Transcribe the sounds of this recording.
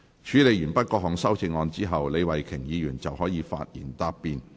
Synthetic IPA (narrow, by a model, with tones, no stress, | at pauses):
t͡ʃʰyː˨˥le˨˧jyː˨˩npɐ˥t̚kɔː˧hɔː˨˩ŋsɐ˥wt͡sɪ˧ŋɔː˧nt͡siː˥ɦɐ˨wle˨˧jwɐ˨˩jkʰɪ˨˩ŋjiː˨˧jyː˨˩nt͡sɐ˨whɔː˨˥jiː˨˧fa̰ː˧t̚jḭː˨˩nt̪aː˧pːiː˨˧n